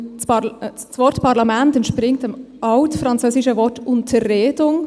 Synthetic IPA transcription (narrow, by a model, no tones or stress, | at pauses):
svɔtpʰɑʁlɑmɛntɛntʃpɾɪŋtɛmʔɑʊtfɾɑnt͡søːsɪʃəvɔɾtʊntʰəʁeːdʊŋ